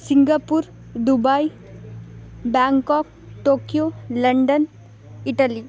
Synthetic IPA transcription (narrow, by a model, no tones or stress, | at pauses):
siŋɡapuɾ | d̪ubai | bɛŋkɔːk̚ | ʈoːkijolɐɳɖən | ɪʈəli